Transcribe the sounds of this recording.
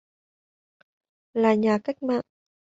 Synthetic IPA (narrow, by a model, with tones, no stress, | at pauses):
laː˨˩ɲaː˨˩ka˦˥jk̟̚ma̰ː˧˨n